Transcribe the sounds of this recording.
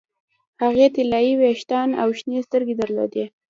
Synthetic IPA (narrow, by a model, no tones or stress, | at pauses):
haɣet̪ɪlɑjiweʃt̪ɑna̰wʃnest̪əɾɡed̪əɾlo̰d̪e